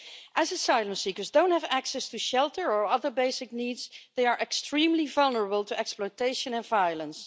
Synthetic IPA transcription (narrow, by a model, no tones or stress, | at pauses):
ʔəzəsaɪlˠə̃msikə˞zdõʊ̃nt̚həvæksɛstuʃɛlˠtəɹə˞ʌðə˞beɪsɪk̚niːdzðeɪəɹʔɛkstɹ̥ĩmlivʌlˠnəɹəbəlˠtuʔɛksplɔɪteɪʃə̃nɛ̃nvajəlˠə̃ns